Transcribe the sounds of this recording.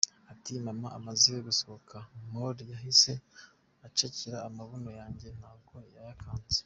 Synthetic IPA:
atimamaʔamazieɡusoβokʰamoɾjaɦise̞ | at͡ʃeciɾaːmaβonojaːɲɟe̞n̥haːb̚ɡojajakʰaːnze̥

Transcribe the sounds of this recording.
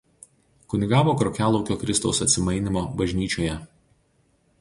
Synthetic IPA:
kʊnʲɪɡɑːʋoːkɾɔkʲæːlˠɔʊkʲoːkɾʲɪst̪ɒʊsɐt̪ʲsʲɪmɐɪnʲɪmoːbɐʒʲnʲiːt͡ʃʲoːjɛ

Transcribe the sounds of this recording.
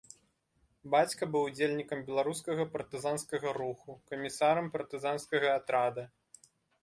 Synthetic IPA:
bat͡sʲkɐbɨwd͡zʲelʲnʲikɐmbʲɛlˠaɾuskɐɣɐpɐrt̪ɨzanskɐɣɐɾuxukɐmʲisaɾɐmpɐrt̪ɨzanskɐɣɐːt̪ɾad̪ɐ

